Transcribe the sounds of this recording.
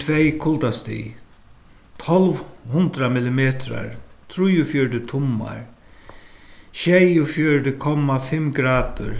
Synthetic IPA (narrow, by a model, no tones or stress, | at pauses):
t̪ʰvejkʰʊlt̪ast̪ḭ | t̪ʰɔlʋhʊnd̪ɾamɪlɪmeːt̪ɾa̰ɹt̪ʰɾujʊfjɔɹɖɪt̪ʰʊmːa̰ɹ | ʃɛjʊfjœɹɖɪkʰɔmafɪmɡɾaːd̪ʊ̰ɾ